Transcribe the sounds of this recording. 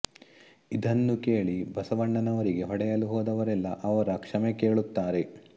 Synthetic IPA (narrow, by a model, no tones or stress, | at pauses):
id̪ɐnːuke̞ːɭibɐsɐʋɐɳːɐnɐʋɐɾiɡe̞ɦɔɽɛjɐluɦoːd̪ɐʋɐɾɛlːɐʔɐʋɐɾɐkʂɐmeke̞ːɭut̪ːaːɾe̞